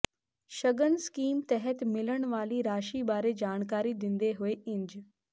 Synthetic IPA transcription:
ʃɐɡənskiːmt̪ɛɦɛt̪mɪləɽ̃ʋaːliɾaːʃibaːɾed͡ʒaːɽ̃kaːɾid̪ɪ̃nd̪eɦʊeʔɪ̃ɲd͡ʒ

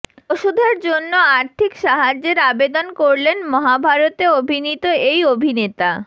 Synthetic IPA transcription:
oʃud̪ʱeɾd͡ʑonːoaɾt̪ʰikʃaɦad͡ʑeɾabed̪onkoɾlenmɔɦabʱaɾot̪eobʱinit̪oejobʱinet̪a

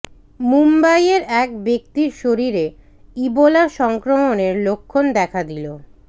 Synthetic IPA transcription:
mumbajeɾɛk̚bek̚t̪iɾʃoɾiɾe | ibolaʃɔŋkɾomoneɾlokʰːond̪ɛkʰad̪ilo

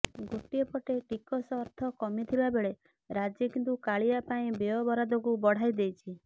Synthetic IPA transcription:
ɡoʈiepɔʈeʈikɔsɔɾt̪ʰɔkɔmit̪ʰibabeɭe | ɾad͡ʒjekint̪ukaɭiapaĩbeɔbɔɾad̪ɔkubɔɽ̤ajd̪ejt͡ʃʰi

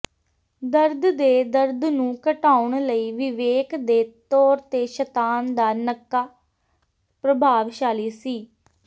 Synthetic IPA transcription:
d̪əɾd̪d̪eːd̪əɾd̪nũːkəʈaːʊɳləiːʋɪʋeːkd̪eːt̪ɔːɾt̪eːʃət̪aːnd̪aːnəkːaː | pɾəbʱaːʋʃaːliːsiː

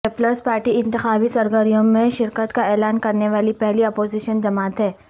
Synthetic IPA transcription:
ɛːpləɾspaːɾʈiɪ̃nt̪ɪxaːbisɐɾɡəɾijõmẽʃɪɾkət̪kaɛːlaːnkɐɾneʋaːlipɛɦliɐpoːziʃənd͡ʒɐmaːt̪ɦɛː

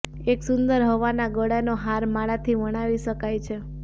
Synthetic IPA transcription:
eksʊnd̪əɾɦoʋanaɡəɽanoɦaɾmaɽat̪ʰiʋəɽ̃aʋiʃəkajt͡ʃʰe

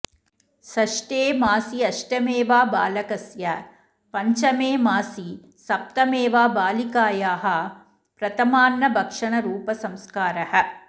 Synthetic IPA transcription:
sɐʂʈeːmaːsiɐʂʈɐmeːʋaːbaːlɐkɐsjɐ | pɐɲt͡ʃɐmeːmaːsi | sɐp̚t̪ɐmeːʋaːbaːlikaːjaːɦɐ | pɾɐt̪ɐmaːnːɐbʱɐkʂɐɳɐɾuːpɐsɐmskaːɾɐhɐ̆

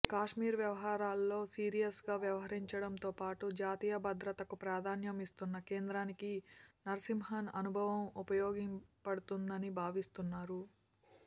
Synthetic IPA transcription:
kaːʂmiːɾʋjɐʋɐɦaːɾaːlːo̞ːsiːɾijɐsɡaːʋjɐʋɐɦɐɾiɲt͡ʃɐɽɐmt̪o̞ːpaːʈud͡ʒaːt̪iːjɐbɐd̪ɾɐt̪ɐkupɾaːd̪ʱaːnjɐmist̪unːɐke̞ːnd̪ɾaːnikinɐɾsimɦɐnɐnubʱɐʋɐmupɐjoːɡimpɐɽut̪und̪ɐnibʱaːʋist̪unːaːɾu

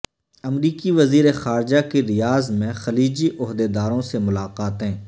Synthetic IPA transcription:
ɐmɾiːkiʋɐziːɾexaːɾd͡ʒakeɾɪjaːzmẽxɐliːd͡ʒiʔʊɦd̪ed̪aːɾõsemʊlaːqaːt̪ɦɛ̃ː

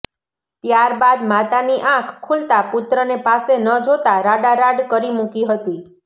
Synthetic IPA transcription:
t̪jaɾbad̪mat̪aniʔãkʰkʰːult̪aput̪ɾənepasenəd͡ʒʱot̪aɾaɖaɾaɖkəɾimukiɦət̪i

